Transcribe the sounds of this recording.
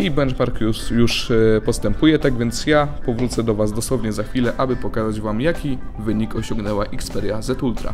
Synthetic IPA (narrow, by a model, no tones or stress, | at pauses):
ibɛnt͡ʂmaɾkjusjuʂpɔst̪ɛmpujɛt̪aɡvʲjɛnt̪sjapɔvɾut̪sɛd̪ɔvazd̪ɔswɔvɲɛzaxfʲilɛʔabɘpɔkazad͡ʑvamjakʲivɘɲikɔɕɔ̃ŋɡnɛwaʔikspɛɾjazɛt̪ult̪ɾa̰